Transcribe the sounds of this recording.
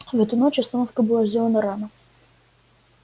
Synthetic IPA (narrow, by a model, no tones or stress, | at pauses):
ɣɛt̪ujnɔt͡ʃɐst̪ɔnɔfkəbɨlˠazʲd͡zʲɛlˠɐnɐɾanɐ